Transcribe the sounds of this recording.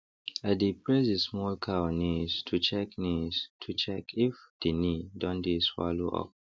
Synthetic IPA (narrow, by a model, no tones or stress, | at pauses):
adipɹezismɔlkʰaɔnistʰut͡ʃɛknistʰut͡ʃɛkifd̥inidɔ̃ndiswa̰loʔɔ̰p̚